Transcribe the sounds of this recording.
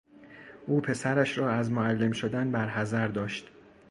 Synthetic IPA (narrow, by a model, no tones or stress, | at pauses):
ʔuːpʰe̞sæɾæʃɾɒːæzmoælːe̞mʃod̪ænbæɾɦæzæɾd̪ɒːʃt̪